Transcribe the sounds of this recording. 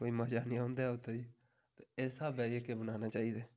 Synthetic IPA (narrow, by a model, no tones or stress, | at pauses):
koːiməd͡ʒaːnijãõːnd̪aɛʊt̪ʰːei | t̪eɛːsabɛːiekebənaːnaːt͡ʃaːid̪ɛː